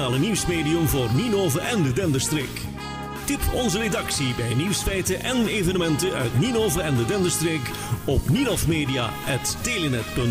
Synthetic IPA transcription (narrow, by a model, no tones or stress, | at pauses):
aːləniwsmeːdiɵmvoːrninoːvərʔɛndədɛndəɹstreːk | tɪpʰɔnzəɾedɑksibɛjniwsfɛjtəʔɛnevənəmɛntəœ̰ɥtninoːvəɾɛndədɛndəɹstreːk | ɔpninɔfmeːdija̰ɛtːelənɛtpɵn